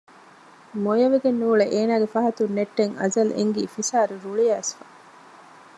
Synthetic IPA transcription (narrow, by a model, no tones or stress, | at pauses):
mojɐʋeɡenːuːɭeʔeːnaːɡefɐɦɐt̪unːeʈːeŋɐ̰zɐlḛŋɡiːfisaːɾuɾuɭijæːsfɐ